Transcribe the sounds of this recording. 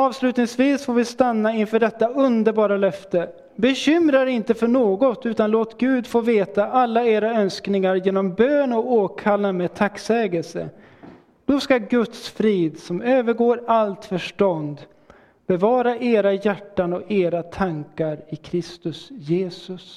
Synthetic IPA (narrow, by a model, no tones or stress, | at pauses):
ɑːvslʉ̟ːt̪nɪŋsviːsfoːɾvɪst̪anːaɪnfœːɖɛt̪ːaɵnd̪əɾbɑːɾalœft̪ə | bɛɕʏmɾaɾɪnt̪əfœɳoːɡɔt̪ʉ̟ːt̪anloːt̪ɡʉ̟ːd̪foːveːt̪aʔalːaeːɾaœnsknɪŋaɾjeːnɔmbøːnɔkoːkʰalːamɛːd̪̚t̪ʰakːsɛːɡəlsə̰ | d̪̥ɔskaɡɵt̪sfɾiːd̪sɔmøːvəɾɡoːɾalt̪fœʂʈɔnd̪ | b̥ɛvɑːɾaʔeːɾajæʈːanɔkeːɾat̪ʰaŋkaɾɪkʰɾɪst̪ɵsjeːsɵs